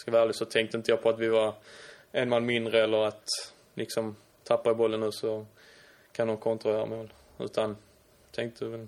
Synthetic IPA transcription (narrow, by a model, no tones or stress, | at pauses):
skavæːlɪsɔt̪ʰɛŋk̚t̪əɪnt̪əjɑːpʰɔat̪vɪva | ɛnmanːmɪnd̪ɾəɛlːəɾat̪ | lʔɪksɔm | t̪ʰapːaəbɔlːənːʉ̟ːsɔ | kʰanɔnkʰɔnt̪ɾʊœːɾa̰mɛol | ʉ̟̰ːt̪ʰan | t̪ʰɛŋk̚t̪ʰəvɛl